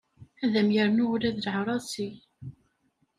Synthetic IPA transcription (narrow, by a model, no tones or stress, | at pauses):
æðæmjəɾnʊɾæðlʕɾˤɑsi